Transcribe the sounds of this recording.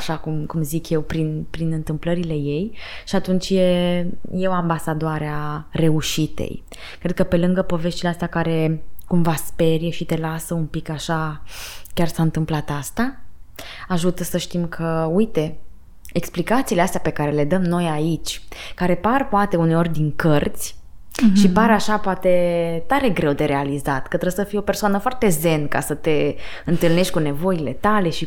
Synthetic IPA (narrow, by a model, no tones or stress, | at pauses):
aʃakumkumzikje̞wpɾinpɾinɨnt̪ɨmpləɾile̞je̞jʃiat̪unt͡ʃjeje̞wambasad̪oaɾeare̞uʃit̪e̞̰j | kɾe̞d̪̚kəpe̞lɨŋɡəpo̞ve̞ʃt̪ileast̪akaɾe̞kumvaspe̞ɾjeʃit̪e̞lasəunpikaʃa | kʲarsaɨnt̪ɨmplat̪ast̪a | aʒut̪əsəʃt̪imkʰəujt̪e̞ | eksplikat̪siːleast̪eape̞kaɾe̞le̞d̪əmno̞jait͡ʃʲkaɾe̞parpoat̪e̞une̞o̞rʲd̪iŋkərt̪sʲ | ʃipaɾaʃapoat̪e̞t̪aɾe̞ɡɾe̞wd̪e̞ɾe̞alizat̪kət̪ɾesəfijo̞pe̞rsoanəfoart̪e̞ze̞nka̰sət̪e̞ɨnt̪ɨlneʃt̪̚ʲkune̞vo̞ile̞t̪ale̞ʃi